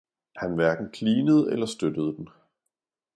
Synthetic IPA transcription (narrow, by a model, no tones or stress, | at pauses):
hænʋæɐɡ̥n̩kʰliːnəð̞̩ˠelɐsd̥ød̥əð̞̩ˠəd̥en